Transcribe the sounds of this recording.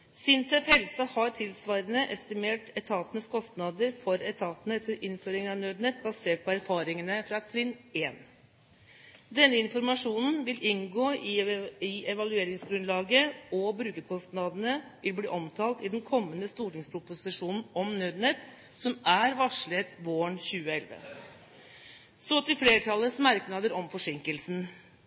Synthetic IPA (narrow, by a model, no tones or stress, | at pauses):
sɪnt̪ʰœfhɛlsɑhɑɾʈʰɪlsʋɑːɾənəʔɛst̪ɪmeːʈɛt̪ʰɑːt̪ənəskʰɔst̪nɑd̪əɾfɔɾɛt̪ʰɑːt̪nət̪ʰːəlʔɪnføːɾɪŋənɑnœd̪nɛt̪̚bɑseːʈ̚pʰɔæɾfɑːɾɪŋənəfɾɑt̪ʰɾɪneːn | d̪ɛnːəɪnfɔɾmɑʂuːnn̩ʋɪlʔɪnɡoːɪɪɛʋɑlʉeːɾɪŋsɡɾʉnlɑːɡəɔbɾʉːkəɾkʰɔst̪nɑd̪ənəʋɪlblḭːʔɔmt̪ʰɑːlt̪ɪd̪ɛnkʰɔmːənəst̪uːʈɪŋspʰɾʊpʊsɪʂuːnn̩ɔmnød̪nɛt̪ | sɔmæɾʋɑʂɭət̪ʋoːəɳçʉːəɛlʋə̰ | sɔt̪ɪfleːɾʈʰɑlːəsmɑɾknɑd̪əɾɔmfɔʂɪŋkəlsn